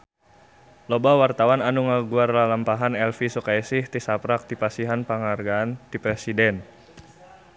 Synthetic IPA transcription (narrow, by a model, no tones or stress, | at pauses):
lɔbawart̪awananuŋaɡuarlalampaɦanɛlfisukajsiht̪isapɾak̚t̪ipasiɦanpaŋarɡaːnt̪ipɾɛsidɛn